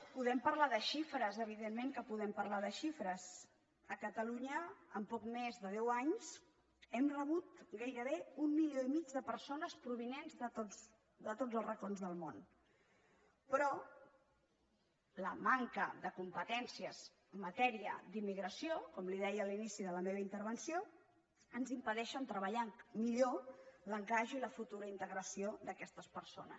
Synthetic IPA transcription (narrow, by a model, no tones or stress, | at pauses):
puðɛmpəɾlaðəʃifɾəzəβ̞iðemːeŋkəpuðɛmpəɾlaðəʃifɾəz | əkət̪əluɲəəmpɔkmezðəðɛwaɲs | ɛmrəβ̞ut̪ɡajɾəβeumːiljoimid͡ʒðəpəɾsonəspɾuβ̞inenzðət̪o | ðət̪od͡zəlˠzrəkonzðəlˠmon | pɾɔ | ləmaŋkəðəkumpət̪ɛnsiəz̥ | əmːət̪ɛɾiə̰d̪imːiɣɾəsiokɔmliðɛjəːlinisiðələmeβəint̪əɾβənsio | ənzimpəðɛʃənt̪ɾəβəʎaŋmiʎoləŋkaʒuiləfut̪uɾəint̪əɣɾəsiod̪əkɛst̪əspəɾso̰nə̰s